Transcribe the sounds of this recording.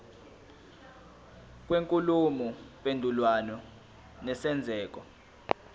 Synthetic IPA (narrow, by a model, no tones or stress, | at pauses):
k̬ʼweŋkʼulumupʼendʱulwanɔ | nɛsɛnd͡zʱɛːk̬ɔ